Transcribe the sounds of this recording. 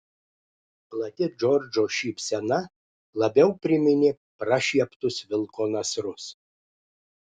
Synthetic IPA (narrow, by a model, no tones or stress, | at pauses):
plˠɐt̪ʲɪd͡ʒɔɾʲd͡ʒoːʃʲiːpʲsʲɛnɐ | lˠɐbʲɛʊpʲɾʲɪmʲɪnʲɪ | pɾɐʃʲiɛpt̪ʊsʋʲɪlˠkoːnɐsɾʊs